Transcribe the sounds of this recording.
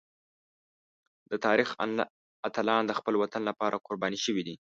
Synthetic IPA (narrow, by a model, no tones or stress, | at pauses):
d̪̥ət̪ɑɾix | at̪alɑnd̪əxpəlwat̪anlapɑɾʔakoɾbɑniʃəwid̪i